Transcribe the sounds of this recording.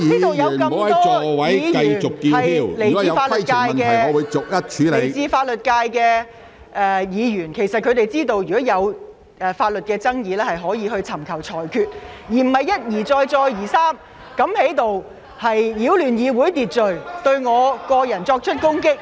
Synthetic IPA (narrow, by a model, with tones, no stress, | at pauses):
iː˥t̪o˨wjɐ˨˧wkɐ˧˨˧ɐ˨˦ɔː˥ɔ˨˧wɐ˨˥jiː˨˧ɐ˧jt͡sʊ˨kkiː˧ɐ˨ji˧wle˨˩ji˧ɐ˧wfaː˧ljkaː˨˧jkɛ˨ɔ˨˧wu˨˧jt͡sʊ˨k̚jɐ˥t̚t͡ʃʰyː˨˥le˨˧jt͡siː˧faː˧t̚lɵ˨t̚kaː˧jkɛ˧ | ʔɛ˨˧jiː˨˧jyː˨˩nkʰe˨˩jsɐ˨t̚kʰɵ˨˧t̪e˨jt͡siː˥t̪o˧wjy˨kɔː˨˥jɐ˨˧w | ʔɛː˨˩faː˧t̚lɵ˨t̚kɛː˧t͡sɐ˥ŋjiː˨˧lɛː˥hɐ˨jɦɔː˨˥jiː˨˧hɵ˧ɥt͡sʰɐ˨˩mkʰɐ˨˩wt͡sʰɔː˨˩jkʰyː˧t̚jiː˨˩m̩˨˩hɐ˨jːɐ˥t̚jiː˨˩t͡sɔː˧jt͡ʃɔː˧jjiː˨˩saː˥m | kɐ˨˥mhe˨˥jt̪o˨w | hɐ˨jjiː˨˧˥wlyː˨˩njiː˨˧wuː˨˥jt̪iː˨t̚t͡ʃɵ˨ɥt̪ɵ˧ɥŋɔː˨˧kɔː˧jɐ˨˩nt͡ʃɔː˧k̚t͡ʃʰɵ˥t̚kʊ˥ŋkɪ˥k̚